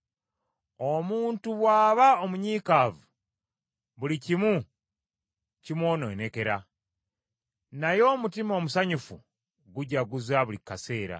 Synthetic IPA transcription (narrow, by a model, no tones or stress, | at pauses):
o̞muːntuβwaːβaomuɲiːkaːvu | βulicimu | cimwo̞ːno̞̰neke̞ɾa | najo̞ːmutimo̞ːmusaɲufu | ɡuɟaɡuzaβulikːase̞ːɾa̰